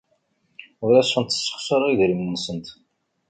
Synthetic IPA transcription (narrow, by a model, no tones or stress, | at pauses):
ʊɾæsːənt̪ːə̥sːə̥χsəɾˤiðɾimːənsənt̪